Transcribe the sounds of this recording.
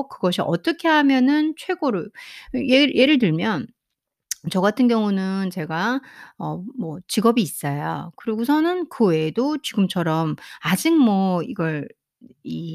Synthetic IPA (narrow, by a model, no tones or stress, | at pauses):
kɯɡʌɕʰiʔʌt͈ʌkʰe̞ɦamjʌnɯnt͡ɕʰwe̞ɡoɾujeje̞ɾɯɭt̬ɯɭmjʌn | t͡ɕʌɡatʰɯnɡjʌŋunɯnt͡ɕe̞ɡaʌmʌt͡ɕiɡʌbiːs͈ʌja̰kɯɾiɡusʰʌnɯnkɯwe̞dot͡ɕiɡɯmt͡ɕʰʌɾʌmad͡ʑiŋ̚mʌiɡʌɭ | i